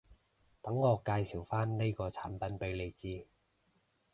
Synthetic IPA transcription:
t̪ɐ˨˥ŋːɔː˨˧kaː˧jsiː˨˩wfaː˥nne˥jkɔː˧t͡sʰa̰ː˨˥npɐ˨˧npe˨˧jle˨˧jt͡siː˧

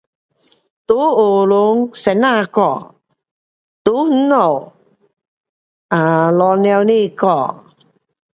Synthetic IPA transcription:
t̪u˨˦o˨˩lʊ˨˦ŋsɛ˨na˧kɔ˧˨ | t̪u˨˦h̩˨˦ɔ˨˩w | a˨lɔ˨˧nɛ˧wni˥˧˨kɔ˧˨

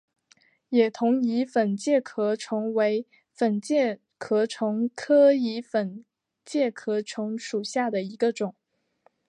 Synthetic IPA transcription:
jɛ˨˩t̪ʰʊ˧˥ŋi˧˥fə˨˩nt͡ɕjɛ˥˩kʰɤ˧˥ʈ͡ʂʰʊ˧˥ŋwe˧˥ɪ | fə˨˩nt͡ɕjɛ˥˩ | kʰɤ˧˥ʈ͡ʂʰʊ˧˥ŋkʰɤ˥i˧˥fə˨˩n | t͡ɕjɛ˥˩kʰɤ˧˥ʈ͡ʂʰʊ˧˥ŋʂu˨˩ɕja˥˩d̪ə˩i˧˥ɡə˧ʈ͡ʂʊ˨˩˦ŋ

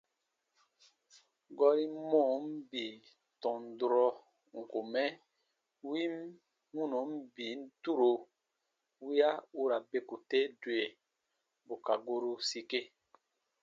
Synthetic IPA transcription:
ɡɔ˦ɾi˦mɔ̃˦˨m̩˦bi˨ | tɔ̃˨n˨dɾɔ˦ | ŋ̩˨ko˨mɛ˦ | wi˦m | hũ˦no˨˦m̩˦bi˨˦n̩˦tu˦ɾo˨ | wi˦a˦u˦ɾa˨be˨ku˨te˦dwe˨ | bo˨ka˨ɡo˦ɾu˦si˦ke˦

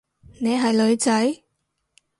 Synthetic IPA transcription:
ne˨˧jɦɐ˨jlɵ˨˧ɥt͡sɐ˨˥j

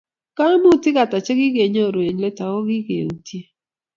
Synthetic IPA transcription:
ka˦mu˦˨tɪ˦ka˨ta˨t͡ʃe˦ɡɪ˦ɡe˨ɲo˦˨ɾe˨ɲle˦ta˨wo˦ɡɪ˦ɡḛ˨ŋu˨tje˦

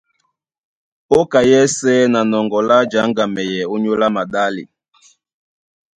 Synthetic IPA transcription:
o˦ka˨jɛ˦sɛ˦na˨nɔ˨ŋɡɔ˨la˦d͡ʒa˨˦ŋɡa˨mɛ˨jɛ˨o˦ɲo˦la˦ma˨ɗa˦lḭ˨

